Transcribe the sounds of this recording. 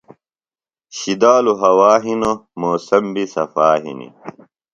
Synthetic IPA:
ɕid̪aːluɦɐwaːɦinomoːsɐmbisɐ̰faːɦḭnḭ

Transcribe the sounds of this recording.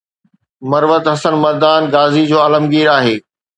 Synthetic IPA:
mɐɾʋət̪ɦɐsənmɐɾd̪aːnɡaːzid͡ʑoːɐləmɡiːɾaːɦeː

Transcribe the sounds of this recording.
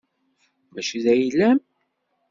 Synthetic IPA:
væʃiðæjlːæm

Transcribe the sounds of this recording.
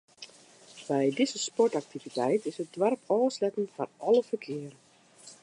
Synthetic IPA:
bɛjdɪzəspɔtak̚tivitɛjtɪsət̚dwarpʰɔːslɛtən̩fɔrʔɔləfərkʰɪərə

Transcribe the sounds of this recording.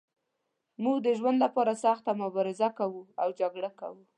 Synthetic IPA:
muɡd̪əʒwand̪lapɑɾasɑxt̪amʊbɑɾɪzakawuawd͡ʒaɡɽaka̰wu

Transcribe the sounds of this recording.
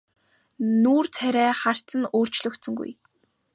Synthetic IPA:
nuːrt͡sʰæɾʲæːχar̥t͡sə̆noːr̥t͡ɕɮɵ̆kt̪sɵ̆ŋɡṵj

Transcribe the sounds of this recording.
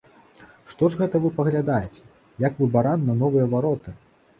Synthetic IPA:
ʂt̪ɔʐɣɛt̪ɐvɨpɐɣlʲad̪ajet͡sʲɛ̥ | jakvɨbaɾanːɐnɔvɨjɐvaɾɔt̪ɨ

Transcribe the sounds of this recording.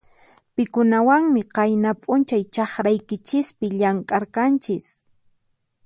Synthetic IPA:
pɪkʊnawaŋmɪqɑjnapʼʊnt͡ʃajt͡ʃɑχɾajkɪt͡ʃɪspɪʎaŋkʼaɾkant͡ʃɪs

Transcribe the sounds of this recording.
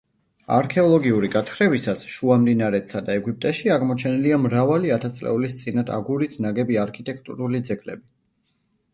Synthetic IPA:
a̰ɾkʰɛɔlˠɔɡiuɾiɡat̪ʰχɾɛvisasʃuamd̪inaɾɛt̪sad̪aɛɡip̚t̪ʼɛʃiaʁmɔt͡ʃʰɛniliamɾavaliat̪ʰat̪sʼlɛ̰ulist̪sʼinad̪ʰa̰ɡuɾit̪ʰnaɡɛbiaɾkʰit̪ʼɛk̚ʰt̪ʼṵɾulid̪zɛɡʰʼlɛbi

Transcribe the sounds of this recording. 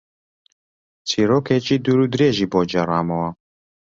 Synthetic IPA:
t͡sʰiɾoːkʰet͡ʃid̪uɾud̪ɾeːʒiːboːd͡ʒɛɾaːmɔwa

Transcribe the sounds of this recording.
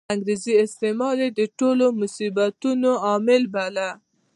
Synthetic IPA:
aŋɡɾeziɪst̪emɑled̪əʈolomʊsibat̪unoɑmɪlbala

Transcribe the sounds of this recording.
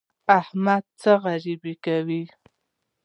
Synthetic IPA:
ahmad̪̚t͡səɣaɾibikawi

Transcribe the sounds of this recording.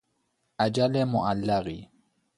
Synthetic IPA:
ʔad͡ʒalemoʔalːaɣi

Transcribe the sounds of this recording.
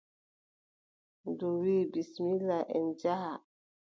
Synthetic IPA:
nduɾibismilaʔɛ̰nd͡ʒaha

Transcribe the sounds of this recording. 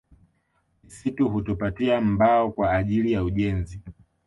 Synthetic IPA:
isituɦutupatiam̩baɔkwaːʄilijauʄɛnzi

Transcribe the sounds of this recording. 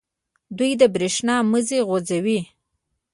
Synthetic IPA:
d̪ujd̪əbɾeʃnɑməzeɣod͡zawi

